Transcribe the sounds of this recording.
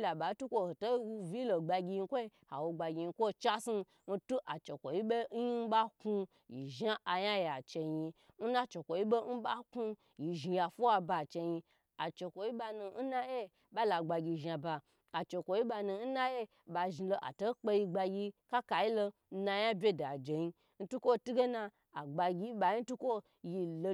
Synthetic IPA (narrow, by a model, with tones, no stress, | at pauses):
la˨ba˨˦tu˦kʷo˦ho˨to˦wu˧vi˦lo˨ɡ͡ba˧ɡʲi˧ji˧˦kʷo˦i˦ha˨wo˧ɡ͡ba˨ɡʲi˧ji˧˦kʷo˦t͡ʃa˦si˦ | n̩˦tu˦ʔa˨t͡ʃe˨kʷo˨ji˦be˦i˦n̩˦ba˦ku˧ | jḭ˨ʒa˦ʔa˨ja˦ja˨t͡ʃe˧ji˧n̩˦na˦t͡ʃe˨kʷo˨ji˦be˦n̩˦ba˦ku˧ | ji˨ʒi˧ja˨fu˦wa˧ba˧˨t͡ʃe˧ji˧ | a˨t͡ʃe˨kʷo˨ji˦ba˧nu˧n̩˦na˦je˦ | ba˦la˨ɡ͡ba˧ɡʲi˧˨ʒa˨ba˧ | a˨t͡ʃe˨kʷo˨ji˦ba˧nu˧n̩˦na˦je˦ | ba˧ʒi˧lo˧ʔa̰˨to˦k͡pe˧ji˧ɡ͡ba˧ɡʲi˧ka˦ka˨ji˦lo˧ | n̩˧˦na˧ja˦bʲe˦da˨d͡ʒe˨ji˧ | n̩˦tu˦kʷo˦tu˦ɡe˦na˧ | a˨ɡ͡ba˧ɡʲi˧˦ɓa˧ji˦n̩˦tu˦kʷo˦ | ji˧lo˧